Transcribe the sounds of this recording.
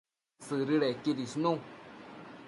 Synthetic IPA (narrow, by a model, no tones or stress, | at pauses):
sɨɾɨɾekidisnũ